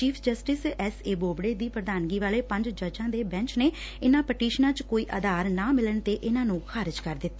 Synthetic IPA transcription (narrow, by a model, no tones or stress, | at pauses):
t͡ʃiːpʰd͡ʒəsʈɪsɛseːboːbɽeːd̪iːpɾəd̪aːnɡiːʋaːleːpə̃ɲd͡ʒd͡ʒəd͡ʒãːd̪eːbɛ̃ɲt͡ʃneː | ɪnãːpəʈiːʃnãːt͡ʃkoːiːʔəːd̪aːɾnãːmɪləɳt̪eːʔɪnãːnũːkʰaːɾɪd͡ʒkəɾd̪ɪt̪ː